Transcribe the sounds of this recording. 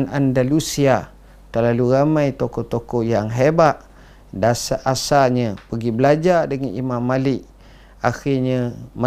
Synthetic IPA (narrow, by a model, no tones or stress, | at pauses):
nandalusia | t̪ərlaluɾamãjt̪okɔt̪okɔʔjaŋɦebaʔ | dasaʔasaɲəpəɡibəlad͡ʒadəŋanʔimamːalɪʔ | a̰xirɲəmə